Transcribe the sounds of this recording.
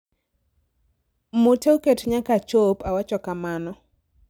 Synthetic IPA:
moteoketɲakat͡ʃopawat͡ʃɔkamanɔ

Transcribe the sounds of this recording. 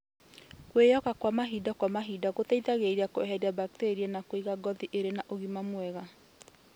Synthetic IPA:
kwejɔkakwamaɦidakwamaɦidaɣotɛiðaɣeɾeakoɛɦɛɾiabak̚teɾiɛnakwiɣaɡɔðiʔeɾenaʔoɣimamwɛɣa

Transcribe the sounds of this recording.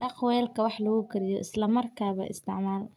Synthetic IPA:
ɖɑqwɛlkʰɐwɑħlɐɣukʰɐɾɪjɔʔɪslɐmɐrkʰaːβɐ̰ʔɪ̰st̪ʰɪʕmaːl

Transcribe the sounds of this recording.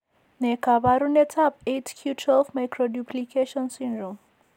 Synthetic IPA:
nekabaɾunetʰap̚etkʰjutʰwɛlvmajkɾoduplikeʃɔnsĩndɾɔm

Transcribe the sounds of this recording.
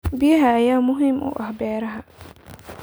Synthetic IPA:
bɪjɐɦɐːjaːmʊɦɪmʔʊ̰ʔɐhbɛːɾɐɦɐ

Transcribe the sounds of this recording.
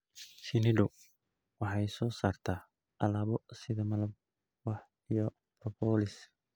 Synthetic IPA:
sɪnɪɖʊ | wɑħɑjsɔːsaːrt̪ʰaː | ʔɐlaːβɔsɪðɐmɐlɐb | wɑħ | ijɔ | prɔpʰɔːlɪs

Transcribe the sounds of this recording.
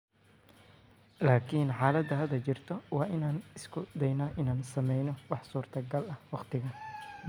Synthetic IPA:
laːkʰiːnħaːlɐd̪ɐɦɐd̪ɐt͡ʃɪrt̪ʰɔwɑːʔɪnaːnɪskʰʊd̪ɛjnɐʔɪnaːnsɐmɛjnɔwɑħsuːrt̪ʰɐɡɐlɐhwɑqt̪ʰɪɣɐ

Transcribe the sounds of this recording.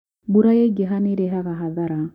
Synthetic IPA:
buɾajeɡeɦaniɾeɦakaɦaðaɾa

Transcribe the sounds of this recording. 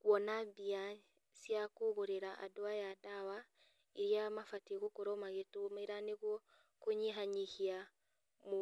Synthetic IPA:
kwɔnabia | sjakoɣoɾeɾaʔa̰doajadawa | iɾijamafateɣokoɾɔmaɣetomeɾaneɣwɔ | koɲiɦaɲihia | mo

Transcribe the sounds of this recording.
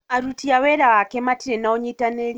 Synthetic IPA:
aɾutiawɛɾawakɛmatiɾenaoɲitaneɾ

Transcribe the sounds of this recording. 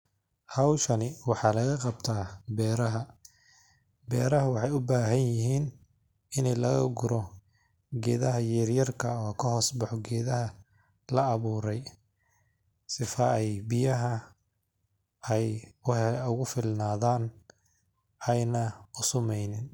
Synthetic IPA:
hɐwʃɐnɪwɑħɑːlɐɣɐqɑbt̪ʰaːbɛːɾɐɦɐ | bɛːɾɐɦɐwɑħɑjʊbaːɦɐnjɪɦiːn | ɪnɛjlɐɣɐ̰ɡʊɾɔ | ɡɛːðɐɦɐjɛːrjɐrkʰɐɔːkʰɐɦɔːsbɑħɔɡɛːðɐɦɐ | lɐːβuːɾɛj | sɪfɐɛjbɪjɐɦɐ | ɛj | ʊɣʊfɪlnaːðaːn | ɛjnɐʊsʊmɛjnɪn

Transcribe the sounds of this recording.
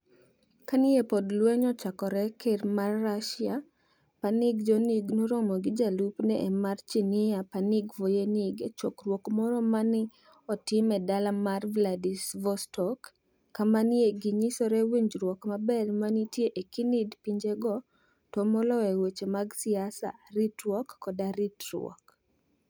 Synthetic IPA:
kanɪepɔdlwɛɲɔt͡ʃakɔɾɛkermarːaʃɪa | panɪɡd͡ʒɔniɡnoɾɔmɔɡɪd͡ʒalupnɛʔːmart͡ʃinɪjapanɪɡvojeniɡet͡ʃɔkrwɔkmɔɾɔmanɪ | ɔtɪmɛdalamarvladisvɔstɔkː | amanjeɡiɲisɔɾɛweɲd͡ʒɾwɔkmabɛrmanitjeʔekinɪdpiɲd͡ʒeɡɔ | tɔmɔlɔɛwet͡ʃemaɡsɪasa̰ɾitɾwɔkːɔdaɾitɾwɔ̰k

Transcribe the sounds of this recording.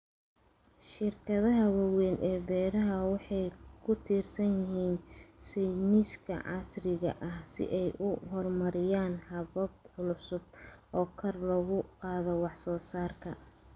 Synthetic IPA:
ʃɪrkʰɐðɐɦɐwɐwɛːnʔɛːbɛːɾɐɦɐwɑħɑjkʰʊt̪ʰiːrsɐnjɪɦiːnsɛjniskʰɐ̰ʕɑsrɪɣɐ̰ʔɐhsɪ̰ʔɛjʔʊɦɔrmɐɾɪjaːnhɐβɐb̚ʕʊlʊsʊb̚ʔɔːkʰɐrlɐɣʊqɑːðɔwɑħsɔːsaːrkʰɐ

